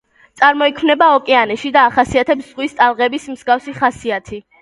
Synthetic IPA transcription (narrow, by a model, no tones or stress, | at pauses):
t̪sʼaɾmɔikʰmnɛbaɔkʼɛanɛʃid̪aːχasiat̪ʰɛpsz̥ʁwist̪ʼalˠʁɛbismz̥ɡafsiχasiat̪ʰi